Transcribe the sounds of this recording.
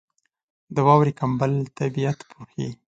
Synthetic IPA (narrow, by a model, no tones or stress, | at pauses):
d̪əwɑwɾikambəlt̪abijat̪pʰuxḭ